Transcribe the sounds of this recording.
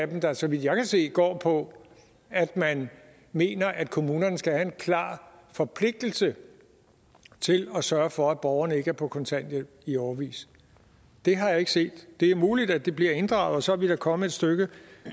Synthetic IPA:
bm̩d̥ɑsɒ̽ʋid̥jɑ̈ɪkʰæse̝̰ːɡ̥ɒ̰ːpʰɒ̽ | æd̥mæn | me̝̰ːnɐʔæd̥̚kʰo̝muːnɐnəsɡ̥æhæe̝nkʰlɑ̰̈ːfɒ̽pʰle̝ɡ̥̚d̥l̩sə | t͡sʰe̝lɒsɶɐfɒ̽æ̥b̥ɒʊɐnəe̝ɡ̥əæɐpʰɒ̽kʰɒ̽nt͡sʰæn̰d̥ə | iɒʊɐʋḭːs | d̥e̝ɦɑ̈jɑ̈e̝ɡ̥ə̥se̝̰ːd̥d̥e̝æɐmuːlid̥æd̥e̝b̥liɐe̝nd̥ʁɑ̈ʊð̩ˠɒsɒ̽æʋid̥ɑkʰɒ̽məe̝d̥sd̥øɡ̥ə

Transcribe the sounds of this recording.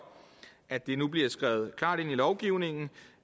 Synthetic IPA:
ʔæd̥e̝nub̥liɐsɡ̥ʁaʊð̞̩ˠkʰlɑ̰̈ːɾ̥e̝n̰ilɒʊɡ̥iʊne̝ŋn̩

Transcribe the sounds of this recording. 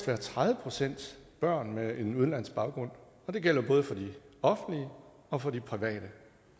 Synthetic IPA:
ʋæɐt͡sʰʁaðˠʋəpʰʁo̝sen̰d̥b̥ɶɐ̰nmee̝nuð̞ˠn̩læn̰sɡ̥b̥ɑ̈ʊɡ̥ʁɔ̽n̰ | ɒ̽d̥e̝ɡ̥el̰ɐb̥ɔ̽ːðˠəfɒ̽d̥i | ɒ̽fn̩liə | ɒ̽fɒ̽dipʰʁiʋɛ̰ːɾ̥ə

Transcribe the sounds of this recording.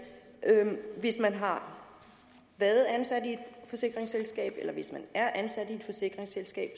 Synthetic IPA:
ʔøʋe̝smænɦɑ̈ | ʋæɐð̩ˠænsæd̥ie̝d̥fɒ̽se̝ɡ̥ʁeŋselsɡ̥ɛ̰ːb̥elɐʋe̝smænæɐʔænsæd̥ie̝d̥fɒ̽se̝ɡ̥ʁeŋselsɡ̥ɛ̰ːb̥

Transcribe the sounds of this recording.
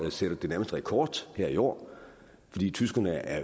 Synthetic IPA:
seɾ̥ɐd̥e̝næɐməsd̥əʁɛkʰɒːd̥heɐ̰io̰ː | fɒ̽d̥ḭːt͡sʰysɡ̥ɐnəæɐ

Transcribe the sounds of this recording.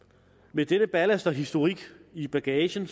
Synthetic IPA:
med̥enəb̥ælæsd̥ɐɦisd̥o̝ʁiɡ̥ib̥æɡ̥ɛːɕən

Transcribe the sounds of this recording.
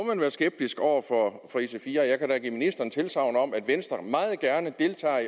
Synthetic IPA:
ɒmænʋæːɐsɡ̥eb̥̚d̥isɡ̥ɒʊ̰ɐfɒfɒisefiːɐjɑ̈ɪkʰæɾ̥æɡ̥ḭːminisd̥ɐn̩t͡sʰe̝lsɑ̈ʊnəɒ̽mæd̥ʋensd̥ɐmɑ̈ːð̩ˠɡ̥æɐnəd̥e̝lt͡sʰɛ̰ː

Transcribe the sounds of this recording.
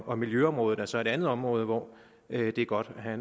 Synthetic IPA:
ʔɒ̽miljøɒ̽mʁɔ̽ːð̩ˠælsɒ̽e̝ɾ̥ænðˠɒ̽mʁɔ̽ːð̞ˠəʋɒ̰ | ød̥e̝æɐɡ̥ɒ̽d̥æɦæn

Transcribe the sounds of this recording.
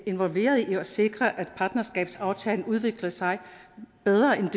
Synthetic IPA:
e̝nʋɒ̽lʋe̝̰ːɐð̞ˠiɒ̽se̝ɡ̥ʁɐʔæd̥pʰɑ̈ːd̥nɐsɡ̥ɛ̰ːb̥sɑ̈ʊt͡sʰɛːln̩uð̞ˠʋe̝ɡ̥lɐsɑ̈ɪb̥eð̞ˠʁɐʔend̥

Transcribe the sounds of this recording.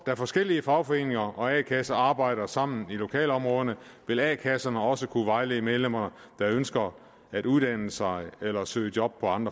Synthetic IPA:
d̥æɐfɒ̽sɡ̥el̰iəfɑ̈ʊfɒ̽e̝̰ːne̝ŋɐʔɒ̽ɛːkʰæsɐɑ̈ːb̥ɑ̈ɪ̰ɾ̥ɐsɑ̈m̰n̩ilo̝kʰɛ̰ːlɒ̽mʁɔ̽ːð̞ˠənə | ʋe̝lɛ̰ːkʰæsɐnəɒ̽səkʰuʋɑ̈ɪleːmeðˠlem̰ɐnə | d̥ɑ̈ønsɡ̥ɐ | æɾ̥uðˠd̥æn̰əsɑ̈ɪelɐsø̰ːd̥jɒ̽b̥̚pʰɒ̽ɑ̈nd̥ʁɐ

